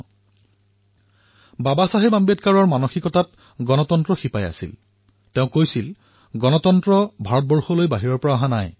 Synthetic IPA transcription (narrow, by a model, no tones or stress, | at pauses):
babasaɦebambetkaɹɔɹmanoxikɔtat̚ | ɡɔnɔtɔntɹɔxipaja̰sḭl | teʊ̃kojsil | ɡɔnɔtɔntɹɔbʱaɹɔt̚bɔɹxɔlojbaɦiɹɔɹpɔɹaaɦãnaj